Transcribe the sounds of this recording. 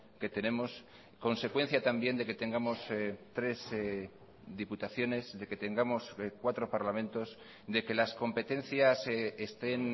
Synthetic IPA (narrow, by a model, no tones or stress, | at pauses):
ke̞t̪e̞nẽ̞mo̞s | ko̞nse̞kwe̞n̟θjat̪ambje̞nd̪e̞ke̞t̪e̞ŋɡamo̞st̪ɾe̞z | ðiput̪aθjo̞ne̞zðe̞ke̞t̪e̞ŋɡamo̞skwat̪ɾo̞paɾlamẽ̞nt̪o̞s | d̪e̞ke̞lasko̞mpe̞t̪e̞n̟θjasest̪e̞n